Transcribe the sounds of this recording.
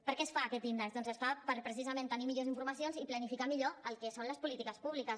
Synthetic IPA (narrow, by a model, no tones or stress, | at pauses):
pəɾkɛsfaːkɛt̪inəzðɔnzəsfapəɾpɾəsizəment̪ənimiʎoziɱfuɾməsionziplənifikamiʎoəlˠkɛsonləspulit̪ikəspuβlikəs